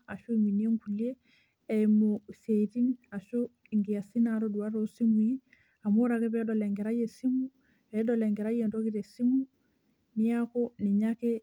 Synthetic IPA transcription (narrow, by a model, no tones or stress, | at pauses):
aʃoiŋɡinieŋkulie | ɛmosetinaʃɔ | iŋɡijasinaɾoduaɾosimuji | amoɾakɛbɛɗɔlɛŋɡɛɾajesimu | ɛɗɔlɛŋɡɛɾajentokitɛsimu | nijakɔniɲakɛ